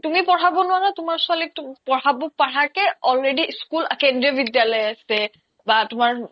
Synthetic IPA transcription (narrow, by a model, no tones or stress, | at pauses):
tumipɔɹabɔnʊanatʊmaɹsʊalitpɔɹabɔpaɹakɛɔlɹediskulakendɹiɔbidjalɔjasɛ | batʊmaɹ